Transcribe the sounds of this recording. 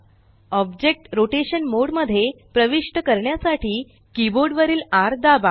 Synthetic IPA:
ɔbd͡ʑek̚ʈɾoʈeɕənmoɽməd̪ʱːje | pɾəʋiʂʈəkəɾɳjasaʈʰiː | kiboɾɖʋəɾiːlaɾd̪aba

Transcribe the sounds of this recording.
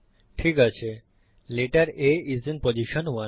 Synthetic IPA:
ʈʰikat͡ɕʰe | leʈaɾeizinpod͡ʑiʃonwa

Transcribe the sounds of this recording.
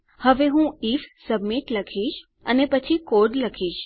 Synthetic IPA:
həʋeɦũifsəbmiʈləkʰiʃ | ənepət͡ʃʰikoɖləkʰiʃ

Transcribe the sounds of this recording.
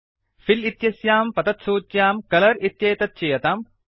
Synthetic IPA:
filit̪jɐsjaːmpɐt̪ɐt̪soːt̪jaːmkɐlɐɾit̪jɐjt̪ɐt̪̚t͡ʃejɐt̪aːm

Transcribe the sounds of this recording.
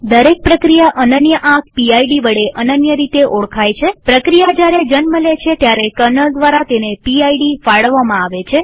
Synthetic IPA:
d̪əɾek̚pɾəkɾijaʔənənjəʔãk̚ʰpiajɖiʋəɽeʔənənjəɾit̪eʔoɭkʰajt͡ʃʰepɾəkɾijad͡ʒjaɾed͡ʒənməlet͡ʃʰet̪jaɾekəɾnəld̪ʋaɾat̪enepiajɖifaɭʋamãaʋet͡ʃʰe

